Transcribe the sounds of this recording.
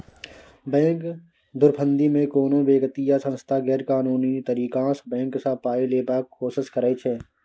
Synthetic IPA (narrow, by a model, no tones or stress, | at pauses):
bɛ̃ːk | d̪ʊɾpʰə̃nd̪imẽkoːnõbeːɡət̪ijasə̃nst̪ʰaɡɛːɾkaːnuːnit̪əɾiːkãːsbɛ̃ːŋksapaːileːbaːkkʰoːsɪskəɾəit͡ʃʰɛː